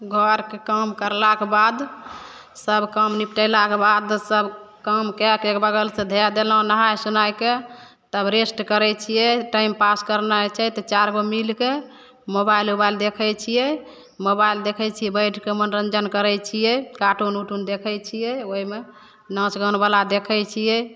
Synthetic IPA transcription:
ɡʱəɾkekəmkəɾlakebad̪ | səbʱkəmnip̚ʈəjlakebad̪səbkəmkɛkekbəɡəlsẽd̪ʱɛad̪elɦõnəɦajsunajke | t̪əbɾesʈkəɾɛt͡ʃʰijɛʈaimpaskəɾnat͡ʃʰɛt̪ɔt͡ʃaɾɡomilke | mobajlobaild̪ekʰɛjt͡ʃʰijɛ | mobaild̪ekʰɛt͡ʃʰijɛbəjʈʰkemənɾənd͡ʒənkəɾɛt͡ʃʰijɛkaʈonuʈund̪ekʰɛt͡ʃʰijɛoime | nə̃sɡənbalad̪ekʰɛjt͡ʃʰijɛ

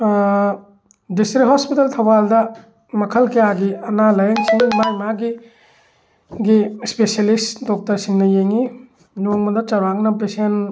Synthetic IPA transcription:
distɾithɔspitɐltʰɐwaldɐ | mɐkʰɐlkɐjaɡiɐnalɐjaŋsiŋmajmaɡi | ɡispeselistdɔk̚tɐɾsiŋnɐjeŋi | noŋmɐdɐt͡ʃɐɾaŋnɐp̬esen

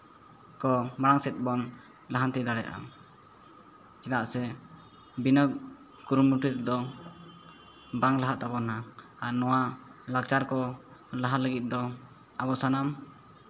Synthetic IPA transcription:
kɔmaɽaŋsɛt̪̚ˀbɔn | laɦant̪ɛd̪aɽɛjaʔa̰ | t͡ʃɛt̪aʔsɛ | binəɡ̚ | kuɾumuʈit̪d̪ɔ | baŋlaɦaʔt̪abɔna | aɾnɔwalaɡ̚t͡ʃaɾkɔ | laɦaləɡit̪̚ˀd̪ɔ | abɔsanam

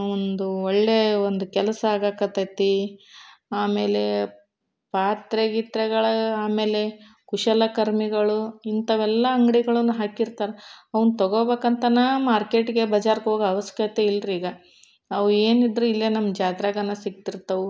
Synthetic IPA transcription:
ond̪uɔɭːe̞ond̪ukɛlɐsɐaːɡakɐt̪ɐt̪i | aːme̞ːle̞ | paːt̪ɾeɡit̪ɾɛɡɐɭɐaːme̞ːle̞ | kuʃɐlɐkɐɾmiɡɐɭuint̪ɐʋɛlːɐɐŋɡɽiɡɐɭɐnːuɦaːkiɾt̪aːɾeɐʋɐnut̪ɔɡoːbeːkɐnt̪ɐnaːmaːɾke̞ːʈɡe̞bɐd͡ʒaːɾkɦoːɡɐʋɐskɐt̪eilːɾiːɡɐ | ɐʋueːnid̪ɾuilːɐnɐmːd͡ʒaːd̪ɾaɡɐnːɐsiɡ̚t̪iɾt̪ːɐʋu

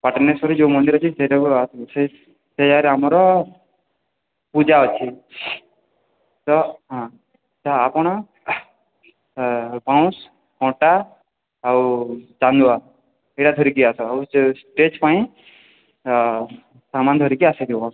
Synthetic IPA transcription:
paʈnesɔɾid͡ʒomɔnd̪iɾɔt͡ʃʰiseɾae | sed͡ʒaɾamɾɔ | pud͡ʒaɔt͡ʃʰi | t̪ɔɦã | t̪ɔapɽ̃ɔ | pãw̃s | kɔ̃ʈaː | wt͡ʃand̪ua | eɽad̪ʱɔɾikiasɔawsʈet͡ʃpaĩ | samand̪ʱɔɾikiased̪iwɔ

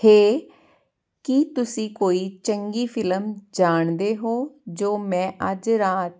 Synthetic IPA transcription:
heː | kit̪ʊsĩːkoːiːt͡ʃəŋɡiːpʰɪləmd͡ʒaːɳd̪eːɦoːd͡ʒoːmɛ̃ːʔəd͡ʒɾaːt̪̚

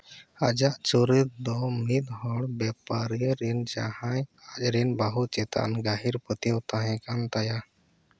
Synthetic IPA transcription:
ad͡ʒaʔt͡ʃuɾət̪̚d̪ɔmit̪ɦɔɽbɛpaɾiɾind͡ʒa̰hajat͡ʃɾinbaɦut͡ʃɛt̪a̰ʔnɡaɦiɾpət̪iwt̪aɦɛ̃kant̪aja

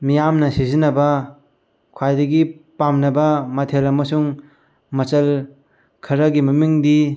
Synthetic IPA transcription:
mijamnɐsizinɐbɐ | kʰwajdɐɡipamnɐbɐmɐtʰelɐmɐsuŋ | mɐt͡ʃɐl | kʰɐɾɐɡimɐmiŋdi

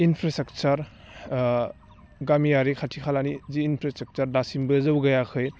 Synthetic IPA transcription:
inpʰɾastɾɐk̚t͡ʃɐɾ | ɡamijaɾikʰatʰikʰalaniziːnpʰɾastɾɐk̚t͡ʃɐɾdasimbɯzɐwɡɐjakʰɯj

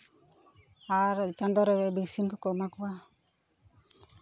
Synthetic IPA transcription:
aɾd͡ʒand̪ɔɾɛɛbiksimkukɔmakuwa

